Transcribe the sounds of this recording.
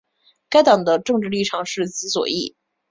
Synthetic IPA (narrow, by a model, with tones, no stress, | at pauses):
ka˥ɪt̪ɑ˨˩ŋd̪ə˦ʈ͡ʂɤ˥˧ŋʈ͡ʂɻ̩˥˧li˥˩ʈ͡ʂʰɑ˨˩ŋʂɻ̩˥˩t͡sɹ̩˧˥swɔ̰˨˩i˥˩